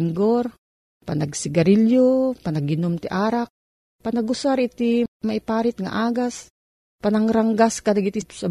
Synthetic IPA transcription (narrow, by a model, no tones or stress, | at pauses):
ŋɡoɾ | panɐɡsɪɡɐɾiljopanɐɡɪnomt̪ɪʔaːɾak̚ | pɐnɐɡʊsaɾɪt̪imɐɪpaːɾɪt̪̚ŋa̰ʔaːɡas | pɐnɐŋɾaŋɡaskɐnaɡɪt̪isɐ